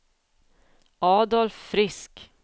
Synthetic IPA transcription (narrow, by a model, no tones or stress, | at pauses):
ɑːd̪ɔlfːɾɪsk